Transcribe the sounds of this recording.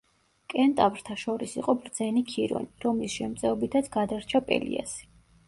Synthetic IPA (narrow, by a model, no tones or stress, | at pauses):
kʼɛnt̪ʼavɾt̪ʰaʃɔɾisḭqʼɔbɾd̪z̥ɛnikʰiɾɔ̰niɾɔmlisʃɛmt̪sʼɛɔbit̪ʰat̪sʰɡad̪aɾt͡ʃʰapʼɛ̰lḭa̰si̥